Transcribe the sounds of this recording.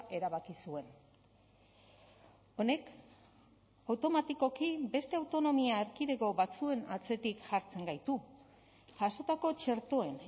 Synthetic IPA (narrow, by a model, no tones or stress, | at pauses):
ʔe̞ɾaβakisue̞n | o̞ne̞k | awt̪o̞mat̪iko̞kibe̞st̪e̞awt̪o̞no̞miaːɾkiðe̞ɣo̞βat͡sue̞nat͡se̞t̪ikʝaɾt͡se̞ŋɡajt̪u | ʝaso̞t̪ako̞t͡ʃe̞ɾt̪o̞e̞n